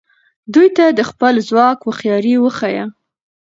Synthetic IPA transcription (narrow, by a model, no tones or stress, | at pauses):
d̪ujt̪ad̪əxpəlzwɑkwəxjɑɾiwəxaja